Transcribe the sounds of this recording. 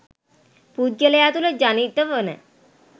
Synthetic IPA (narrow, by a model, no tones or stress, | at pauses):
pud̪jələjat̪uləd͡ʑanit̪ːəʋənɛ̰